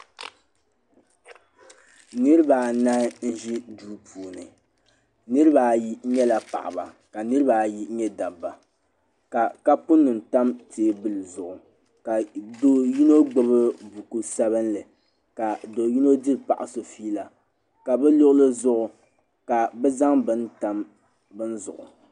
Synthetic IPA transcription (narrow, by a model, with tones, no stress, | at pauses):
nɨ˦ɾɨ˦ba˨na˦n̩˦ʒi˦duː˦pʰuː˨nɨ̰˨ | nɨ˦ɾɨ˦ba˨ji˦ɲɛ˦la˨pa̰˨ʔa̰˨ba̰˨ | ka˨nɨ˦ɾɨ˦ba˨ji˦ɲɛ˦da˨bːa˨ | ka˨ka˦pʊ˦nːʊ˨n˨ta˦mteː˨˦bɨ˦lɨ˨zʊ˨ʔʊ˨ | ka˨do˦ji˦no˦ɡ͡bo˦bɨ˦bu˨ku˦sɛ˦βɨ˦nlɨ˨ | ka˨do˨ji˦no˦dɨ˦ɾpa̰˨ʔa˨so˨fiː˦la˨ | ka˨bɛ˦lʊ˦ʔlɨ˦zʊ˦ʔʊ˨ | ka˨bɛ˦za˦ŋbɨ˦nta˦m | bɨ˦n˦zʊ̰˨ʔʊ̰˨